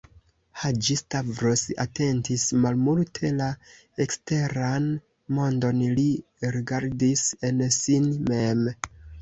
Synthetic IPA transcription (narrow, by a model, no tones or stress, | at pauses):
had͡ʒistavɾosa̰te̞ntismalmultʰe̞la | ekste̞ɾan | mo̞ndo̞nli | ɾiɡaɾdise̞nsinmem